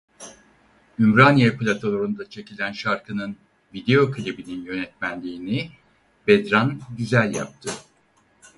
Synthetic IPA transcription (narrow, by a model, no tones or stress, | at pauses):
ymɾanjeplʲat̪ʰolˠoɾund̪at͡ʃʰe̞cʰilʲænʃaɾkʰɯnɯn | vid̪e̞jo̞kʰalʲebininjø̞nɛt̪mænlʲiːni | bɛd̪ɾanɟyzælʲja̰p̚t̪ʰɯ